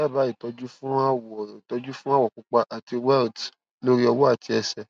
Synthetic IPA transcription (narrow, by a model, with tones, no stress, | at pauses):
a˦˨ba˨˦i˨tɔ˧d͡ʒu˦fũ˦a˦wɔ˨i˨tɔ˧d͡ʒu˦fũ˦a˦wɔ˨k͡pu˨˧k͡pa˧ʔa˨ti˧wɛ˦lt | lo˦ɾi˦ɔ˧wɔ˦a˦˨ti˧ɛ˧sɛ˨